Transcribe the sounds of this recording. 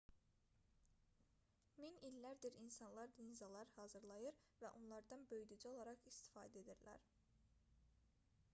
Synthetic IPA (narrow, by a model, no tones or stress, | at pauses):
minilːæɾd̪iɾinsɑnlˠɑɾd̪inzɑlˠɑɾhɑːzɯɾlˠɑjɯɾ | væʔonlˠɑɾd̪ɑnbø̞jd̪ud͡ʒæo̞lˠɑɾɑʁist̪i̥fɑ̰ːd̪æe̞d̪iɾlæ̰ɾ